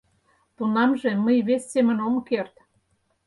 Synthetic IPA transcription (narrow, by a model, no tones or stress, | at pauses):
t̪unɑmʒe̽məjβesːemə̆nomkert̪